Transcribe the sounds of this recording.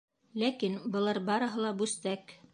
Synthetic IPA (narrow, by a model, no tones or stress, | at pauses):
lækinbɤ̆lˠɑɾbɑɾɤ̆ɦɤ̆lˠɑbʉst̪æk